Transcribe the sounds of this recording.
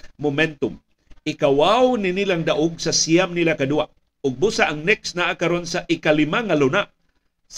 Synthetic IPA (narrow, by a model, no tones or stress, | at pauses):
mʊmɛnt̪ʊm | ɪkawawnɪnilaŋd̪aʔʊɡsasijamnilakad̪uaʔ | ʊɡ̚busaʔaŋnɛksnaʔakaɾonsaʔɪkalɪmaŋalʊnaʔ | s